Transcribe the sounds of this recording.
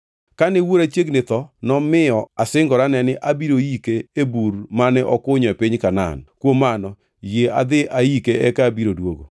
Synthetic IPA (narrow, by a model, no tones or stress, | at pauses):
kanɛwoɾat͡ʃeɡnɪt̪ɔnɔmɪɔasɪŋɡɔɾanɛnɪʔabiɾojikeebuɾmanɛʔɔkʊɲɔɛpɪɲkana̰nkwomanɔ | jea̰d̪ɪʔajikeɛkabiɾodwoɡo̰